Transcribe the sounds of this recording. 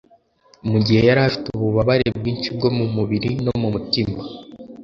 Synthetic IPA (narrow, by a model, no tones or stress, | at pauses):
muɟihe̞jaɾafi̥tuβuβaβaɾe̞b̚ɡiːnt͡ʃib̚ɡo̞mumuβiɾino̞mumutima